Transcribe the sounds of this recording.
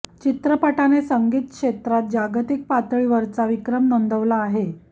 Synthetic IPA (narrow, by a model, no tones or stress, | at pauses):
t͡ɕit̪ɾəpaʈanesəŋɡiːt̪̚kʂet̪ɾat̪̚d͡ʑaɡt̪ik̚pat̪ɭiʋəɾt͡saʋikɾəmnond̪ʱəʋlaːɦe